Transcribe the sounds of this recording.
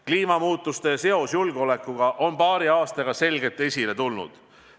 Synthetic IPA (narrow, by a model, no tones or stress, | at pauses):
kliːmɑmuːt̪ːˑust̪e̞se̞o̞sjulɡ̥eo̞le̞kːˑuɡ̥ɑʔo̞npɑːɾiɑːst̪ɑɡ̥ɑse̞lɡe̞t̪ːˑe̞sʲile̞t̪ulnṵd̪̥